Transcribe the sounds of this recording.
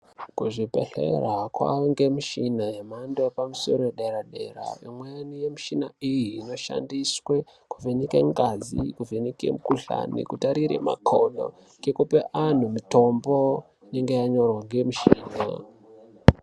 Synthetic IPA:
kuʐipḛɬḛrakwa̰ŋɡe̞muʃinajemandoepamuso̞ɾojeɗeɾaɗe̞̰ɾa̰imwejanije̞muʃinaijiːno̞ʃa̰ndiswe | kuvʱenikeɡad͡zikuvenikḛmukuɬa̰nḭkutaɾiɾḛma̰kʰolo̰ | ke̞kupeʔan̤umito̞mbo̞ | ine̞ŋɡe̞jaɲo̞rwaŋɡe̞muʃiːna̰

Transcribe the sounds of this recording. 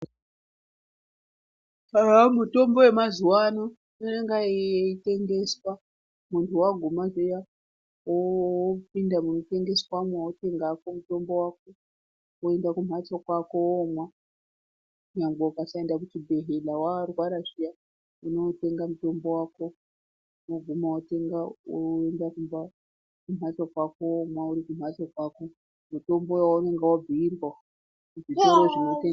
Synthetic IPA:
amuto̞mbo̞we̞mazuwano | noneŋɡaeite̞ŋɡe̞swa | muntʰuwaɡʱumazeja | wop̚indamunote̞ŋɡe̞swamwawote̞ŋɡakomuto̞mbo̞wako | oe̞ndakum̤at͡sokwako̞omwa | ɲaŋɡaukasaendak̬utibʱe̞ɦelawarwaɾaʃija | uno̞te̞ŋɡamuto̞mbo̞waːko̞ | moɡʱumawote̞ŋɡaendakumba | kumat͡sakwakoomwauɾikum̤wat͡sokwako | muto̞mbo̞jawaune̞ŋɡewab͡vʱiirwa | ud͡zitiɾoʐinoteŋ

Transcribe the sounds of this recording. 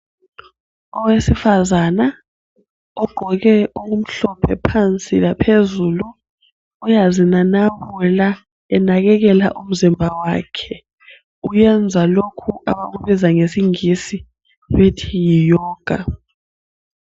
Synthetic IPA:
ɔwesifazana | ɔɡ͡ǃʱɔɣɛʔowum̩ɬɔpʰɛpʰant͡sʼilapʰezuːluː | jazinanawuɛla | ɛnaɣɛɣ̬ɛla̰ʔum̩zimbʱawaːkʰɛ | ujɛnd͡zʱalokʰuʔa̰ɓaɣuβizaŋesiŋisi | wetʰijijɔːɡ̥ʱa̰

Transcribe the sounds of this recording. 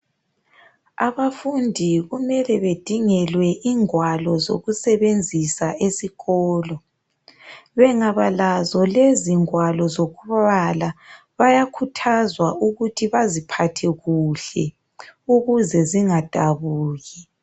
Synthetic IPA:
a̰βafundʱiɣumɛlɛβed̥ʱiŋɛlwɛʔiŋwalɔzo̰ɣusɛβend͡zʱisaʔesiɣɔːlɔ | βɛŋaβalazɔleziŋwalɔzoɣuβala | βajakʰutʰazwaʔuɣutʰiβazipʰatʰɛɣuɬɛ | uɣuzɛziŋad̥ʱaβuːɣi

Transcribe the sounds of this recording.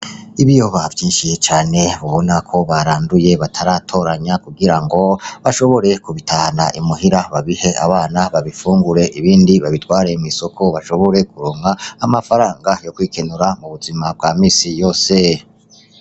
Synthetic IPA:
iβijo̞βavjiːnʃit͡ʃaːne̞βuβo̞nakʰo̞βaɾaːnduje̞βatʰaɾaːtʰo̞ɾaɲakuɡiɾaŋɡo̞βaʃo̞βo̞ɾe̞kuβitʰahanaʔimuɦiɾaβaβihe̞aβaːnaβaβifuːŋɡuɾe̞ʔiβiːndiβaβitwaːɾemŋiso̞kʰo̞βaʃo̞βo̞ɾe̞kuɾoŋaːmafaɾaːŋɡajo̞kwiːkʰenuɾamuβuzimab̚ɡaːmiːsijo̞ːse̞

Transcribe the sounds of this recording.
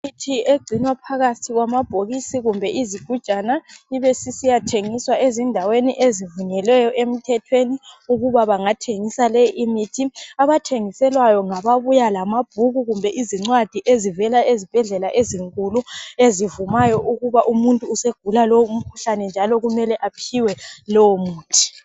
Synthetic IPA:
mitʰieɡ͡ǀʱinwapʰaɣatʰiɣwamab̥ʱoɣisiɣumbʱɛʔiziɡ̥ʱud̥t͡ʃʼanaiβesisijatʰeŋiswaʔezindʱaweniʔezivuɲɛlɛjɔʔem̩tʰɛtʰweniuɣuβaβaŋatʰeŋisalɛʔimitʰiaβatʰeŋisɛlwajɔŋaβaβujalamab̥ʱuɣuɣumbʱɛʔiziŋ͡ǀwad̥ʱiʔezivɛlaezib̥ʱɛɮɛlaʔeziŋkʼuluezivumajɔʔuɣuβaʔumuntʼuːseɡ̥ʱulalɔwum̩kʰu̥ɬanɛnd͡ʒʱalɔɣumɛlɛʔapʰiwɛlɔwomuːtʰi̥

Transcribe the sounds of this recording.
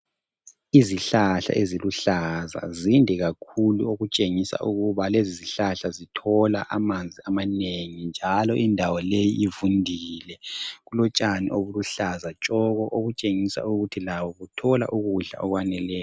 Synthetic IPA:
iziɬaɬa̰ʔeziluɬaza̰zindʱɛɣakʰulṵoɣut͡ʃʼeŋisa̰ʔuɣuβaleziziɬaɬazitʰɔla̰ʔamand͡zʱiamaneŋind͡ʒʱalɔʔindʱawɔlejiʔivundʱiːlɛɣulɔt͡ʃʼanḭʔoβuluɬazat͡ʃʼɔɣɔʔoɣut͡ʃʼeŋisa̰uɣutʰilawɔɣutʰɔla̰ʔuɣuɮa̰ɔɣwanɛlɛːjɔ

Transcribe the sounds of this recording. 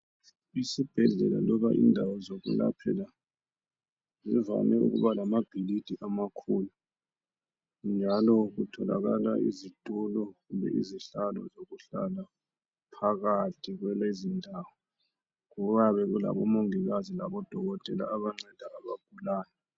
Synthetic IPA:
isib̥ʱɛɮɛ̰la̰lɔβaʔḭndʱawɔzoɣṵla̰pʰɛ̰la | ziva̰nɛṵɣṵβalamab̥ʱilid̥ʱiʔamakʰulu | nd͡ʒʱalɔɣutʰɔla̰ɣalaizitʼulɔɣumbʱɛ̰ʔḭziɬalɔ̰zoɣuɬa̰la | pʰaɣatʰiɣwɛlezindʱawɔ | ɣuβaβɛɣula̰βɔmoŋiɣazilaβɔd̥ʱɔɣɔtʼɛla̰ːβaŋ͡ǀɛd̥ʱaaβaɡ̥̚ʱulaːjɔ

